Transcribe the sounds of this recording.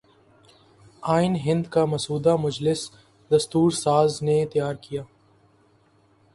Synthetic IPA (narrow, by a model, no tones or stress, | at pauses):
aːɪnɦɪ̃nd̪kamɐsuːd̪amʊd͡ʒlɪs | d̪ɐst̪uːɾsaːznet̪əjaːɾkijaː